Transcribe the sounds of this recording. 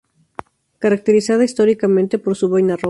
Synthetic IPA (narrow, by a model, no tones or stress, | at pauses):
kaɾak̚t̪eɾisað̞aist̪oɾikamẽnt̪epoɾsuβajnaro